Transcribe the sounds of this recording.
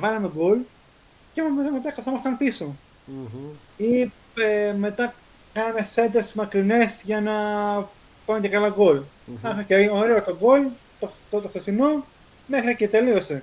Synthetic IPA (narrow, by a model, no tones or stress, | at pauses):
vɐlɐme̞ɡol | ceɐmet̪ɐmet̪̬ɐkɐθomɐst̪ɐnpiso̞ | i | eme̞t̪ɐ | kɐnɐme̞se̞nd̪esmɐkɾine̞sʝɐnɐ | pɐnet̪ekɐlɐɡo̞l | ɐxoceoɾe̞ot̪oɡo̞l | t̪ot̪ot̪oxθesino̞ | me̞xɾicet̪e̞lio̞se̞